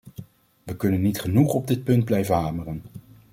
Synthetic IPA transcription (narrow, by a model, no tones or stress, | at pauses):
ʋəkɵnənːitχənuχɔb̚dɪt̚pɵnd̚blɛjvənɦaːmərən